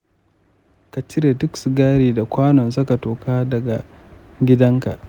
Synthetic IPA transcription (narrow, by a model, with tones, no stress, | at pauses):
ka˨t͡ʃɪ˦ɾe˨tʊ˦ksɡaː˦ɾiː˨da˨kʷaː˦nɔ˨ns̬ɐ˦ka˨toː˨kaː˦dɐ˨ɡa˨ | ɡʲɪ˦dɐ˦ŋka̰˨ʔ